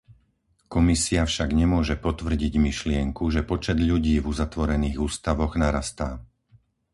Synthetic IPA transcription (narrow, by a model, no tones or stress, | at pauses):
kɔmisiafʃaɡɲɛmʊɔʒɛpɔt̪ʋr̩ɟiɟmiʃlɪɛŋkuʒɛpɔt͡ʃɛd̪ʎuɟiːvuzat̪ʋɔɾɛniːɣuːst̪aʋɔɣnaɾast̪aː